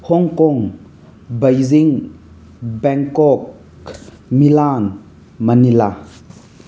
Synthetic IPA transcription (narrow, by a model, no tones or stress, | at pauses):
hɔŋkɔŋ | bajziŋ | bɛŋkɔk | milan | mɐnila